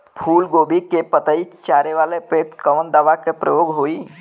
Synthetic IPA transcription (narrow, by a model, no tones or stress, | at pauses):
pʰuːlɡoːbʱikepət̪əit͡ʃaːɾeʋaːlepekəʋənd̪aʋakepɾəjoːɡɦoːi